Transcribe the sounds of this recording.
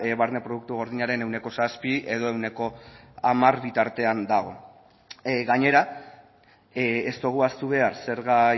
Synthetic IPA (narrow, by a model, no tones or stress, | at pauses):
eβaɾnepɾo̞ðukt̪uɣ̞o̞ɾð̞iɲaɾe̞ne̞wne̞ko̞saspiʔe̞ð̞o̞e̞wne̞ko̞ | amaɾβit̪aɾt̪e̞and̪aɣ̞o̞ | ɣaɲe̞ɾa | est̪oɣ̞uast̪uβ̞e̞aɾse̞ɾɣa